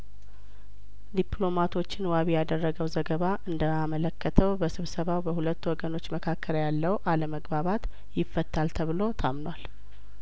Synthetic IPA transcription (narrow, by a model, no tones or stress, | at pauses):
d̪iplo̞mat̪ʰo̞t͡ʃːɪnwaβijad̪ərːəɡəwzəɡəβaʔɨnd̪əmamələkːət̪ʰəwbəsɨβsəβawbəhulət̪ːwɔɡəno̞t͡ʃːməkʰakʰːəɾjalːəwʔaləməɡbaβat̪ | jɪfːət̪ʰːalt̪ʰəβɨlo̞t̪ʰa̰mnwal